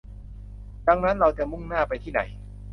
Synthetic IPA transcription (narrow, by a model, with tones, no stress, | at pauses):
da˧ŋna˦˥nɾa˧wt͡ɕa˨˩mu˥˩ŋnaː˥˩pa˧jt̪ʰiː˥˩na̰˩˦j